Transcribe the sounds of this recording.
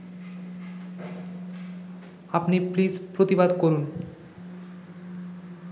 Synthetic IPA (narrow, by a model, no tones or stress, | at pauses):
apniplid͡ʑpɾot̪ibad̪koɾun